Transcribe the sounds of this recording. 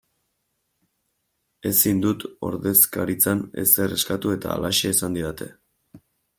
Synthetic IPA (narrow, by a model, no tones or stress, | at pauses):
e̞sind̪ut̪o̞ɾðe̞skaɾit͡sane̞̰sere̞skat̪ue̞t̪a̰ːlaʃeːsand̪iðat̪e̞̰